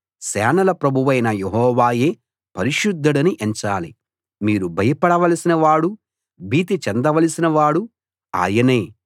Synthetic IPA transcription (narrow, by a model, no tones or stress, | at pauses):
sɛːnɐlɐpɾɐbʱuʋɐjnɐjeɦɔːʋaːje̞ː | pɐɾiʃud̪ʱːɐɽɐniʔeɲt͡ʃaːli | miːɾubʱɐjɐpɐɽɐʋɐlɐsinɐʋaːɽu | biːt̪̬it͡ʃɛnd̪ɐʋɐlisinɐʋaːɽu | a̰ːjɐneː